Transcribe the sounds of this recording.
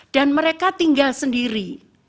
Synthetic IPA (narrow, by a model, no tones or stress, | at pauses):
d̥anməɾekat̪iŋɡalsəndiɾi